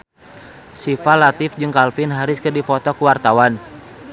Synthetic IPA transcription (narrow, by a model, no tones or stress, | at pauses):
sifalat̪ɪfd͡ʒɨŋkalfɪnɦaɾʊskɨrdifɔt̪ɔkuwart̪awan